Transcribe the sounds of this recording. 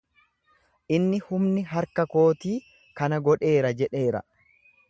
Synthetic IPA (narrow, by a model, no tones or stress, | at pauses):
ʔɪnːɪhʊmnɪɦɐɾkɐko̞ːt̪iː | kɐnɐɡɔᶑe̞ːɾɐd͡ʒɛᶑe̞ːɾɐ̰